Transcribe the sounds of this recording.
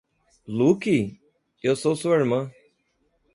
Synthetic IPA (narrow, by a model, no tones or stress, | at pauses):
luki | ewsosuiɾmɐ̃